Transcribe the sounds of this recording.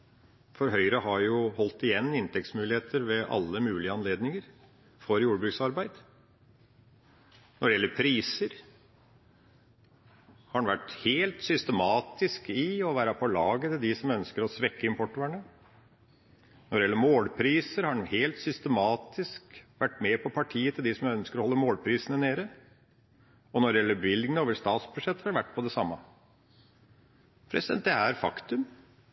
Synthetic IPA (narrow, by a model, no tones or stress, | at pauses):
fɔɾɦœʏɾəɦɑɾjʊhɔlt̪ɪjɛnːɪnt̪ʰɛk̚t̪smʉːlɪheːt̪ʰəɾʋɛʔɑ̰lːəmʉːlɪəɑnleːd̪nɪŋəɾ | fɔɾjuːɾəbɾʉːksɑɾbæɪd̪̥ | nɔɖɛjɛlːəɾpʰɾiːsəɾ | hɑɖɛnʋæʈːheːlt̪sʏst̪əmɑːt̪ɪskɪɔʋæːɾɑpʰɔlɑːɡət̪əd̪ɪsɔmœnskəɾɔsʋɛkːəɪmpʰɔʈːəæɳə | nɔɖ̪ɛjɛlːəɾmoːlpʰɾiːsəɾhɑɳheːlt̪sʏst̪əmɑːt̪ʰɪskʋæʈːmepʰɔpʰɑʈʰiːət̪ʰɪld̪ɪsɔmœnskəɾɔhɔlːəmoːlpʰɾiːsənəneːɾə | ɔnɔɾɖ̪ɛjɛlːəbɪlɡənoːʋəst̪ɑːt̪sbʉʂɛt̪ːəhɑɾʋæʈːpʰɔd̪ɛsɑmːɑ | pʰɾɛsɪd̪ɛnt̪d̪ɛæɾfɑkt̪ʉm